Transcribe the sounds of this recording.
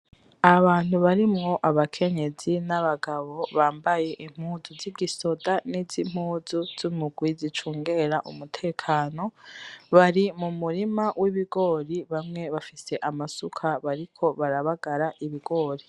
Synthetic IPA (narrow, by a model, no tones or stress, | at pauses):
aβaːn̥huβaɾimŋo̞ʔaβakʰe̞ɲe̞zinaβaɡaβo̞βaːmbaje̞ʔim̥huːzuziɡiso̞danizim̥huːzuz̥umuɡwizit͡ʃuːŋɡe̞ɾaʔṵmutʰe̞ːkʰaːno̞βaɾimumuɾimawʔiβiɡo̞ɾiβamŋe̞βafise̞ʔamasukʰaβaɾikʰo̞βaɾaβaɡaɾaʔiβiɡo̞ːɾi